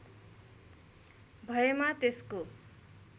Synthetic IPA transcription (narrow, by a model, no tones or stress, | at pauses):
bʱʌjemat̪esko